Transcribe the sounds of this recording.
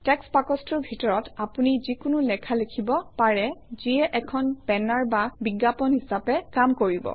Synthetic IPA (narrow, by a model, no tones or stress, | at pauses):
tɛkspakɔstɔɹbʱitɔɹɔtapunizikʊnulɛkʰalekʰibɔpaɹɛziɛʔɛkʰɔnpɛnaɹbabiɡːapɔnhisapɛkamkoɹibɔ̰